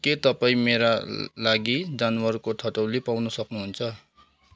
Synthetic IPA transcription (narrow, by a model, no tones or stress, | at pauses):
ket̪ʌpaĩmeɾalaɡid͡zanwʌrkot̪ʰʌʈʌwlepawnusʌknuɦunt͡sʰʌ